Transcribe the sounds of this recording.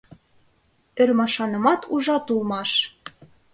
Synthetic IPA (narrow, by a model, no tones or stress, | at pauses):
ɘ̆rmɑʃɑnɤ̆mɑt̪ʰuʒɑt̪ulˠmɑʃ